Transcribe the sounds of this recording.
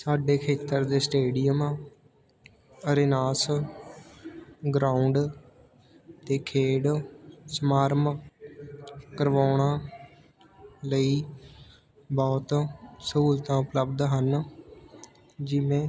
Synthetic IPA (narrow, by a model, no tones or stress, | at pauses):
saːɖeːkʰeːt̪əɾd̪eːsʈeːɖijəmãː | əɾenaːs | ɡɾaːuɳɖ | t̪eːkʰeːɽsəmaːɾm | kəɾʋaːɳãː | ləiː | bɔːt̪suːlt̪ãːʊpləbd̪ɦən | d͡ʒɪʋẽː